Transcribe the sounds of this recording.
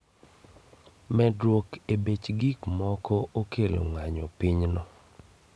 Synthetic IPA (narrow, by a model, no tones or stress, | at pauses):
mɛdwokebet͡ʃɡikmɔkɔʔokʰelo̰ŋaɲɔpiɲnɔ